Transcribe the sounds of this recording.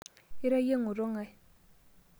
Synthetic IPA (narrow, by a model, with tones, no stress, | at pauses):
i˦ɾa˦je˦ŋu˨ɾɔ˦ŋa˨j